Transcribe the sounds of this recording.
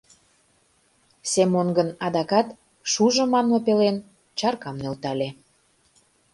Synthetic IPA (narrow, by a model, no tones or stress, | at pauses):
semonɡənɑd̪ɑkɑt̪ | ʃuʒɤ̆mɑnmopelen | t͡ɕɑrkɑmnølt̪ɑlʲe